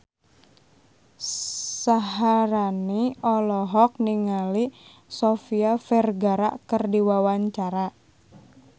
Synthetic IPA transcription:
saɦaɾaniɔlɔɦɔk̚niŋali | sɔfiafɛrɡaɾa̰ʔkɨrdiwawaɲt͡ʃaɾa

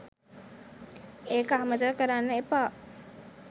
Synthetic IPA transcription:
eːkəɦɐməd̪akəɾanːəepaː

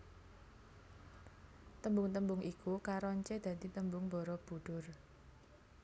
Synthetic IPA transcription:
t̪əmbʊŋt̪əmbʊŋʔikukaɾɔɲt͡ʃed̪̥ä̤d̪̥it̪əmbʊŋbɔɾɔb̥ṳɖ̥ʊr

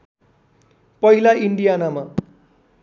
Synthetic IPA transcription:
pʌilaiɳɖijanama

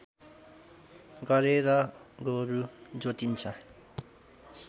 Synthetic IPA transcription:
ɡʌɾeɾʌɡoɾud͡zot̪int͡sʰʌ

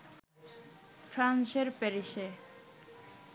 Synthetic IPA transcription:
fʰɾanʃeɾpeɾiʃe

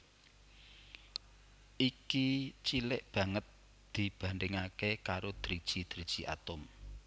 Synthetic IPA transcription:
ʔikit͡ʃilɪʔb̥ä̤ŋət̪̚ | d̪̥i̤b̥ä̤nɖɪŋakekaɾod̪̥ɾid̥ʒ̥id̪̥ɾid̥ʒ̥iʔa̰t̪ʊm

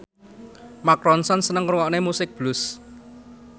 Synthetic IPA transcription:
makɾɔnsɔnsənəŋɾuŋɔʔnemusɪk̚b̥lʊs

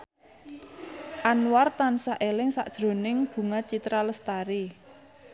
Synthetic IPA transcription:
ʔanwart̪ansaʔelɪŋsa̰ʔd̥ʒ̥ɾo̤nɪŋb̥ṳŋat͡ʃit̪ɾaləst̪aɾi

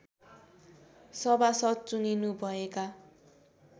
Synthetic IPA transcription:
sʌbasʌt͡suninubʱʌeka

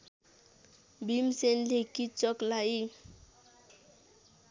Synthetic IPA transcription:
bimsenlekit͡ʃɔklai

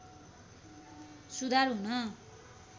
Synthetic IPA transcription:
sud̪ʱarɦunʌ

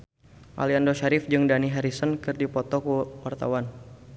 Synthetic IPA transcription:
ʔa̰liandoʃaɾɪfd͡ʒɨŋdaniɦaɾisənkɨrdipɔt̪ɔkuwart̪a̰wan

